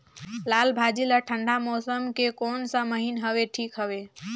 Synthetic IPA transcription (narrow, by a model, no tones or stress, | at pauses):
laːlbʱaːd͡ʒiləʈʰə̃ɳɖʱamɔːsəmkekoːnsaməɦinɦəʋeʈʰiːkɦəʋe